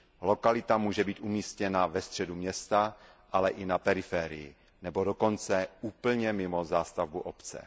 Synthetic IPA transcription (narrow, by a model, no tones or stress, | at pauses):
lokalɪt̪amuːʒɛbiːt̪ʔumiːscɛnavɛst̪r̝̥ɛdumɲɛst̪a | ʔalɛʔɪnapɛɾɪfɛːɾɪ̰jɪ̰ | nɛbo̞doko̞nt͡sɛuːpl̩ɲɛmɪmozaːst̪avbuʔopt͡sɛ̰